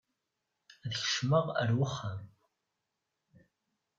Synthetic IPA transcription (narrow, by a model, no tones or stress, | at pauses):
ðəçə̥ʃməʁə̰ɾwəχːəm